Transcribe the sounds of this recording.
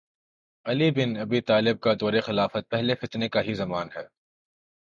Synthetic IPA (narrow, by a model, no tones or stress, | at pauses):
ɐlibɪnɐbit̪aːlɪb̚kad̪ɔːɾexɪlaːfət̪̚pɛɦlefɪt̪nekaɦizɐmaːnɦɛː